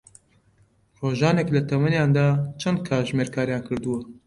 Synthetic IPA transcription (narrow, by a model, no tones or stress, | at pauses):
roːʒaːnɛklɐt̪ʰɐmɐnjaːnd̪aːt͡ʃʰɛnd̪̚kʰaːʒmeːɾkʰaːɾjaːnkʰɨɾd̪ɨwɐ